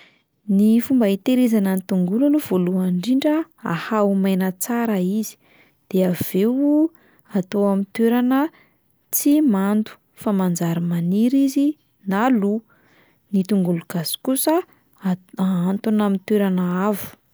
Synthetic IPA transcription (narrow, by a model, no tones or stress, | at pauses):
nifumbait̪eɾezanənit̪uŋɡulaluv̥oluaɳɖ͡ʐiɳɖ͡ʐəa̰haumajnət͡saɾaizi̥ | d̪̥eav̥ew | at̪oamint̪weɾanə | t͡simand̪u̥ | famand͡zaɾimaniɾizi | nalu | nit̪uŋɡuluɡ̥az̥i̥kusə | aant̪unamint̪eɾanəavu̥